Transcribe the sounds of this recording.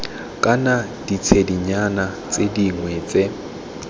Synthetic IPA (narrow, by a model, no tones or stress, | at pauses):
kʼanad̥it͡sʰediɲana | t͡sʼediŋwɛt͡sʼe